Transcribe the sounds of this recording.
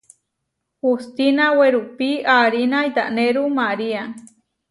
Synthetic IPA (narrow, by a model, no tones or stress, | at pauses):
hust̪inaweɾupiaɾinajd̪a̰ʔneɾumaɾia